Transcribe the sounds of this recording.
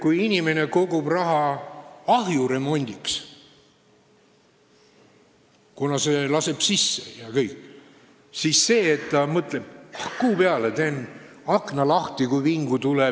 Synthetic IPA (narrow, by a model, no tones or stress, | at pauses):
kujinʲime̞ne̞ko̞ɡ̥ubrɑɦɑ | ɑɦjure̞mo̞nʲd̪̥iks | kunɑse̞lɑse̞b̥sisːe̥jɑkɤjkː | sisse̞ːt̪ːɑmɤt̪le̞bɑhkuːpeɑlet̪e̞nɑknɑlɑht̪ikujviŋɡ̥ut̪ule